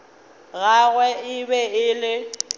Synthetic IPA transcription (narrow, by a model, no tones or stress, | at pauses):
ɣaɣwɛɪbɛɪlɪ